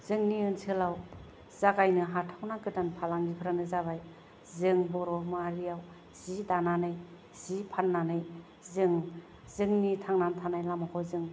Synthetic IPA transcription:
z̥ɯŋniɯnsʰɯlaw | z̥aɡajnɯɦatʰawnaɡɯtanpʰalaŋɡipʰɯɾanɯzaβaj | zɯŋbɔɾɔmaɾijaw | z̥idananɯj | z̥ipʰanːanɯj | zɯŋ | zɯŋnitʰaŋnantʰanajlamakʰɔzɯŋ

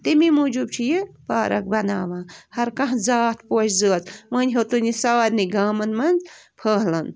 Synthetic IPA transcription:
t̪imimud͡ʒub̚t͡ʃʰijibaːɾɐk̚bɐnaːʋãːhɐɾkɐ̃ɦzaːt̪poːt͡ʃʰzəːt͡smɐnʲɦot̪unisaːɾniɡaːmɐnmɐnd͡zpʰəːɦlɐn

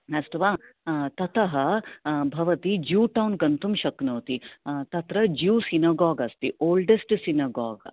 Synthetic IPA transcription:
ɐsʈuʋaːt̪ɐt̪ʰɐɦɐbʱɐʋɐt̪id͡ʒuːʈɐwnkɐnt̪umʃɐknɐːt̪it̪ɐt̪ɾɐd͡ʒuːsinɐɡaːɡɐst̪ioːlɖesʈsinɐɡa̰ːɡ

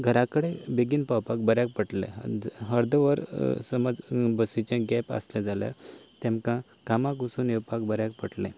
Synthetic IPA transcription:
ɡʱəɾakəɽebeɡinpawpak̚bəɾjak̚pəʈlḛ̃ɦəɾd̪əʋəɾsəməd͡zbəsit͡ɕãɡɛpə̰slẽd͡zalja̰t̪ɛ̃mkã | kamãkusunewpakbəɾjak̚pəʈlɛ̰̃

